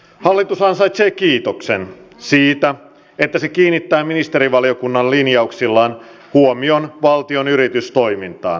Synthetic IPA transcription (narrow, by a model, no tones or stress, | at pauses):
hɑlːit̪usɑnsɑjt̪seːkiːt̪o̞ksensiːt̪æ | e̞t̪ːæse̞kiːnːit̪ːæːminist̪eɾiʋɑlijo̞kunːɑllinjɑuksilːɑːn | huomio̞nʋɑlt̪io̞nyɾit̪yst̪o̞jmint̪ɑ̰ːn